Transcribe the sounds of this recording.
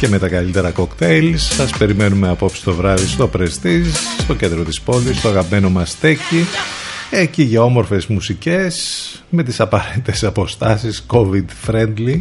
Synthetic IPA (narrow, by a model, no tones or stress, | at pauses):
ce̞me̞t̪ɐkɐlit̪e̞ɾɐko̞kt̪ejlsːɐspe̞ɾime̞nume̞ɐpo̞psi̥st̪o̞vɾɐðist̪o̞pɾesðisst̪o̞cend̪ɾo̞t̪ispo̞list̪oɐɣɐpime̞no̞mɐst̪e̞ci | eciʝɐo̞mo̞ɾfe̞zmusice̞s | me̞t̪isɐpɐɾet̪it̪e̞sɐpo̞st̪ɐsisko̞vid̪fɾend̪li